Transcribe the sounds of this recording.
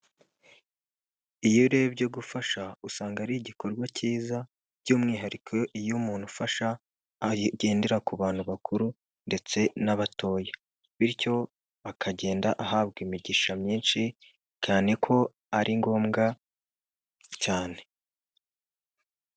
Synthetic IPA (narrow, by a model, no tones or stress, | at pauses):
ijoɾebɟo̞ɡufaʃausaːŋɡaɾiiɟiko̞ɾɡwaciːza | ɟuːmŋiːɦaɾikʰoʔijumuːn̥hufaʃa | ɟe̞ːndeɾakuβaːn̥huβakʰuɾu | nde̞t͡se̞naβatʰo̞ːje | βiɾco̞ | akʰaɟe̞ːndaʔahaːβɡimiɟiʃamɲiːnʃi | caːne̞kʰo̞ | aɾʔiŋɡo̞ːmɡa | caːne̞